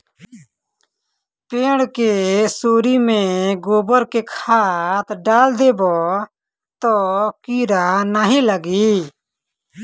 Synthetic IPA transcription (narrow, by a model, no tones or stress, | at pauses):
peːɽkesoːɾimẽɡoːbəɾkekʰaːt̪ɖaːld̪eːbɔː | t̪ɔːkiːɾanaːɦĩləɡiː